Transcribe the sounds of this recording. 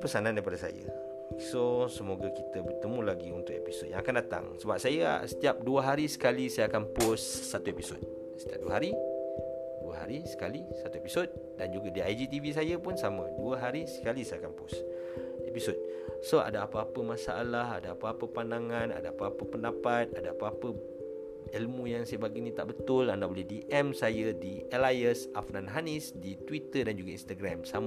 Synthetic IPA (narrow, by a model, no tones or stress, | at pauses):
pəsanãndajp̬adəsa̰jə̰ | sosəmoɡakit̪əbərt̪əmũlaɡiunt̪ʊk̚episod̪̚jãŋakandat̪a̰ŋsəbap̚sajə̰sə̥t̪iap̚duəɦaɾisə̥kalisajaːkanpʊsːat̪uepiso̰d̪̚ | sə̥t̪iap̚duəɦaɾi | duəɦa̰ɾisə̥kalisat̪uepisɔd̪̚ | dand͡ʒuɡadiajd͡ʒit̪ivis̬ajəpʊnsamə̃duəɦaɾisə̥kalisajakampus | episod̚ | soʔa̰daapaːpəmãsaʔalaha̰daapaapəpandaŋãna̰daapaːpəpəndapat̪̚adaapaapə | elmũjaŋsajabaɡinĩt̪a̰ʔbət̪ʊlandahbolɛhdiʔɛmsajədielajəsʔafnãnɦanisdit̪wit̪ədand͡ʒuɡainst̪aɡɾamsam